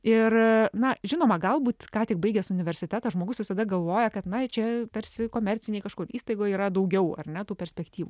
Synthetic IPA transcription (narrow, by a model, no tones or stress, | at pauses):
ɪrnɐʒʲɪnoːmɐɡɐlˠbuːt̪kɑːt̪ʲɪkbɐɪɡʲɛsʊnʲɪʋʲɛɾʲsʲɪt̪ʲæt̪ɐʒmoːɡʊsʋʲɪsɐd̪ɐɡɐlˠʋoːjɛkɐt̪nɐt͡ʃʲɛt̪ɐɾʲsʲɪkoːmʲɛrʲt͡s̪ʲɪnʲeɪkɐʃkoːɾiːst̪ɐɪɡoːjiːɾɐd̪ɐʊɡʲɛʊɐ̰rnʲɛt̪uːpʲɛɾʲsʲpʲɛkt̪ʲiːʋṵː